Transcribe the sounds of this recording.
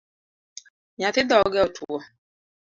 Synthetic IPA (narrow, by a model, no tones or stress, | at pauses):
ɲat̪ɪdɔɡɛɔtʰuwɔ